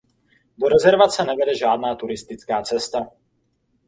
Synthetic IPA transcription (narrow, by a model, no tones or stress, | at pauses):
doɾɛzɛɾvat͡sɛnɛvɛdɛʒaːdnaːt̪uɾɪst̪ɪt͡skaːt͡sɛst̪a